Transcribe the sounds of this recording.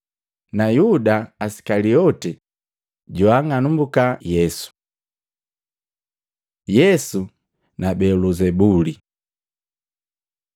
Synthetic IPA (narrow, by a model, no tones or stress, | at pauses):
najudaːsi̥kaliɔtɛ | ɟɔaŋanumbukajɛsu̥ | jɛsu | nabɛluzɛbuli